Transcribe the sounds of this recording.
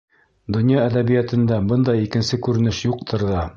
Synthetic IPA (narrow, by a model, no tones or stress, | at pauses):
d̪ŏnjɑæd̪æβijæt̪ɘ̆nd̪æbɤnd̪ɑjikɘ̆nsɘkʉɾɘ̆nɘʃjuq̚t̪ʰɤ̆ɾðɑ